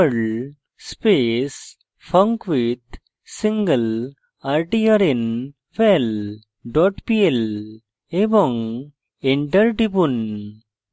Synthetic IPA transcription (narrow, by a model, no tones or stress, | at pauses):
əɭ | speːs | fɐ̃ŋkʋid̪ | sĩŋɡəl | aɾʈiɐɾĩn | fel | ɖɔːʈpiːel | eʋɔ̃ŋ | eɳʈɐɾɖibun